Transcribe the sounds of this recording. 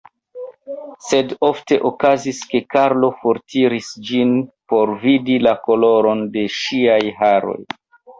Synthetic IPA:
se̞do̞fte̞ʔokaziske̞kaɾlo̞foɾtiɾisd͡ʒinpo̞ɾvidilako̞lo̞ɾo̞nde̞ʃiajɦaɾo̞̰j

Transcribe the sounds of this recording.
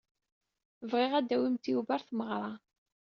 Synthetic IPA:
vʁɪʁæd̪æwimt̪ijuvæɾθməʁɾˤɑ

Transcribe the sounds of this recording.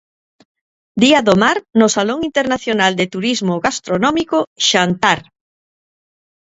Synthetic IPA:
d̪iaðomaɾnʊsaloŋint̪eɾnaθjonald̪et̪uɾizmoɣast̪ɾonɔmikoʃant̪aɾ

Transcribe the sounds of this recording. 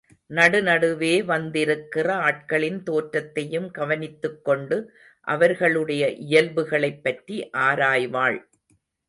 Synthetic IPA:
nɐɽɯnɐɽɯʋeːʋɐnd̪ɪɾɯkːɪrɐaːʈ̚kɐɭɪnt̪oːʈɾɐt̪ːɐjɯmɡɐʋɐnɪt̪ːɯkːɔɳɖɯ | ʔɐ̰ʋɐɾɣɐɭɯɽɐjɐʔɪjɐlbɯɣɐɭɐɪpːɐʈriʔaːɾaːjʋaːɭ

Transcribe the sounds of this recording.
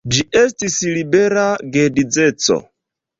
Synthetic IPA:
d͡ʒiʔestisilibeɾaɡedid͡zet͡so̰

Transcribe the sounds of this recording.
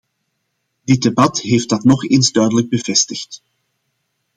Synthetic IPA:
dɪt̚debɑtɦeːftdɑtnɔχeːnzdœɥdələɡ̚bəvɛstəxt

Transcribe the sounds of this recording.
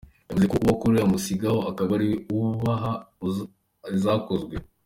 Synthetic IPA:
javuzekouβakuɾeɾamusiɡahoakaβaɾiwuβaɦau | izako̞zɡwe̞

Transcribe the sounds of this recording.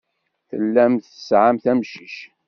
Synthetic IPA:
θəlːæmθə̥sʕamθæmʃiʃ

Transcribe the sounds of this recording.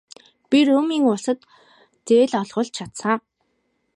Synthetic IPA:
pirɵːmiːŋʊsə̆t̪ | t͡seːɮɔɮʁʊ̆ɮt͡ɕʰat̪sa

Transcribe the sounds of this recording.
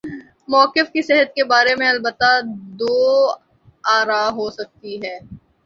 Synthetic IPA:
mɔːkɪfkiseɦət̪̚kebaːɾemẽɐlbət̪ːad̪oː | aːɾaɦosɐk̚t̪iɦɛː

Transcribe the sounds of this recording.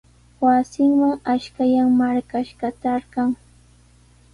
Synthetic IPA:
wasɪŋmaŋaʃkajaŋmaɾkaʃɢɑt̪aɾɢɑŋ

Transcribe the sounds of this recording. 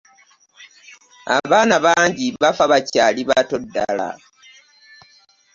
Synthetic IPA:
a̰βaːnaβaːɲɟiβafaβacaːliβato̞dːa̰la̰

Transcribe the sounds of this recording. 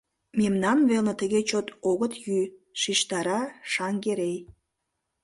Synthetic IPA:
memnɑnβelnə̆t̪əɣet͡ɕot̪oɣət̪jyʃiʃt̪ɑɾɑʃɑŋɡeɾej

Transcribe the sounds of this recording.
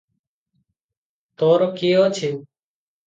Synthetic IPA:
t̪oːɾoːkeːɦoːt͡ʃʰeː

